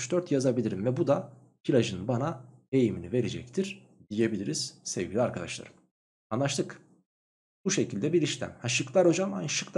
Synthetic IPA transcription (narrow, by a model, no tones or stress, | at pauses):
t͡ʃd̪øɾt̪jazabilʲiɾimvɛbud̪a | pʰilʲaʒɯnbanae̞jiminive̞ɾed͡ʒɛ̰c̚t̪ʰiɾ̥ | d̪ije̞bilʲiɾiz̥sevɡʲilʲiaɾkʰad̪a̰ʃlˠa̰ɾɯm | anlˠaʃt̪ʰɯk | b̥uʃecʰilʲd̪ɛbiɾiʃlʲæ̰mhaʃɯklˠaɾo̞d͡ʒamanʃɯk̪ˠ